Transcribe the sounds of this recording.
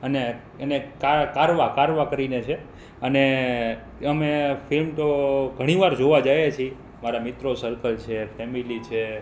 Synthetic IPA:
əne | enekakaɾʋakaɾʋakəɾinet͡ʃʰe | əne | əmefilmt̪oɡʱəɽ̃iʋaɾd͡ʒoʋad͡ʒajet͡ʃʰi | maɾamit̪ɾosəɾkəlt͡ʃʰefʰɛmilit͡ʃʰe

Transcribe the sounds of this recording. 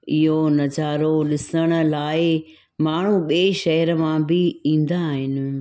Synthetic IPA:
ɪɦonɐd͡ʑaːɾoɗɪsəɽ̃ə̆laːɪ | maːɳ̤uɓieʃɐɦəɾəmãbɪĩːn̆d̪aːɦɪnɪ̆

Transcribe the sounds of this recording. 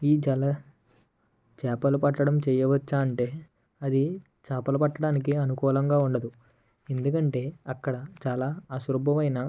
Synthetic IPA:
iːd͡ʒɐlɐ | t͡ʃaːpɐlupɐʈːɐɽɐmt͡ʃɛːjɐʋɐt͡ʃːaːɐɳʈe̞ː | ɐd̪i | t͡ʃaːpɐlɐpɐʈːɐɽaːnik̬iɐnukɔːlɐŋɡaːuɳɖɐd̪u | e̞nd̪ukɐɳʈe̞ːɐkːɐɽɐt͡ʃaːlaːɐʃuɾɐbʱɐʋɐjnɐ

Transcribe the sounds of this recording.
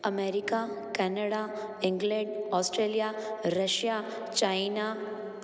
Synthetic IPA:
ɐmeːɾika | kɛːnəɽa | ɪ̃ŋɡlɛ̃ɖɔːsʈɾeːlijaɾəʃja | t͡ʃaɪna

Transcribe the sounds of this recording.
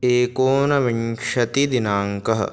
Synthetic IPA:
eːkoːnɐʋiɳʂɐt̪id̪inaːŋkɐɦɐ̰

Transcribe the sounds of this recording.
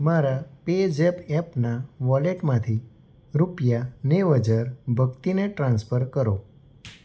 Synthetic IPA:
maɾaped͡ʒepɛpnaʋɔleʈmãt̪ʰi | ɾupjaneʋəd͡ʒəɾbʱəkt̪ineʈɾãnspʰəɾkəɾo

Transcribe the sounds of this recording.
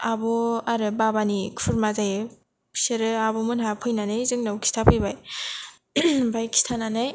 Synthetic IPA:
abɔaɾɯbabanikʰuɾmazajʰ | seɾɯabɔmɯnɦapʰɯjnanɯjzɯŋnawkʰi̥stʰapʰɯjbaj | bajkʰi̥stʰananɯj

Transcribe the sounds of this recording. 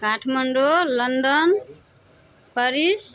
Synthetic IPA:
kaʈʰmʌɳɖolʌnd̪ʌn | kʌɾis

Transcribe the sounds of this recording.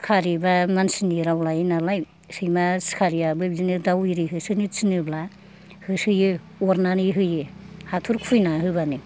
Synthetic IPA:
kʰaɾibamansiniɾawlajenalaj | sɯjmaskʰaɾijabɯbzinɯdawiɾiɦɯsɯnit͡sinɯbla | hɯsɯjɯ | ɔɾnaniɦɯjɯhatʰuɾkʰujnaɦɯβanɯ

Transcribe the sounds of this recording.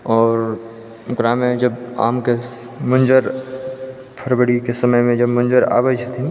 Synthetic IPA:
ɔːɾ | kɾaːmẽd͡ʒɐba̰ːmke | mʊnd͡ʒəɾ | pʰəɾbəɽikesɐməjmẽd͡ʒɐbmʊ̃nd͡ʒəɾa̰ːʋəd͡ʒət̪ʰi

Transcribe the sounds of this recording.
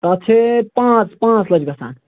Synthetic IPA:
ət͡ʃʰepãt͡spãt͡sləd͡ʒɡəsa̰ːn

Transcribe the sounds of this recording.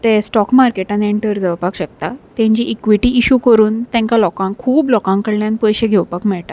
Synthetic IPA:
t̪ẽsʈɔkmaɾkeʈãneɳʈəɾd͡zəʋpakɕək̚t̪at̪ɛ̃ɲt͡ɕiʔːkʋiʈiʔiɕukəɾuːnt̪ɛ̃ŋkalɔkãŋkʰuːblɔkãŋkəɽljãnpəjɕẽɡʱɛwpakmɛɭʈa

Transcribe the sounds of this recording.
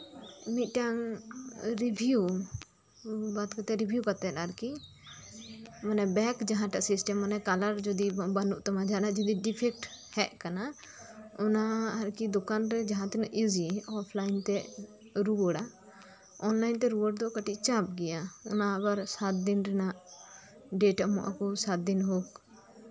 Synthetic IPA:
miʈaŋ | ɾibʱiju | bat̪kat̪ɛɾibʱjukat̪ɛtaɾki | manɛbɛkd͡ʒaɦãʈaʔsisʈɛmːənɛkaləɾd͡ʒɔd̪ibanuʔt̪ɔmad͡ʒanad͡ʒɔd̪iɖipʰɛk̚ʈhɛʔkana | ʊnaɐɾkid̪ɔkaːnɾɛd͡ʒɐɦãt̪ɛnaʔʔiziɔːpʰlaːɪnt̪ɛ | ɾuəɽa | ɔnlaːint̪ɛɾuwəɽd̪ɔkəʈit͡ʃap̚ɡɛjaʊnabəɾsat̪̚d̪ɪnɾɛnaʔ | ɖeːʈamɔ̰ʔa̰kɔsat̪̚d̪ɪnɦoːk

